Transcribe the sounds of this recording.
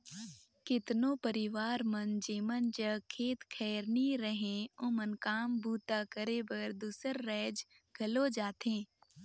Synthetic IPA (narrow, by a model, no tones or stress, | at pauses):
kɪt̪nõpəɾɪʋaːɾmənd͡ʒeːmənd͡ʒəkʰːeːt̪kʰɛːɾniɾəɦẽõmənkaːmbʱuːt̪akəɾebəɾd̪uːsəɾːɛːd͡ʒ | ɡ̥ʱɐlod͡ʒaːt̪ẽː